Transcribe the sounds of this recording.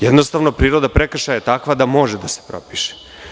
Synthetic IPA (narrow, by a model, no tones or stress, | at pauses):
jɛd̪nost̪aʋnopɾiːɾo̞d̪apɾekrʃajet̪akʋad̪amo̞ʒed̪ase̥pɾopiʃe̥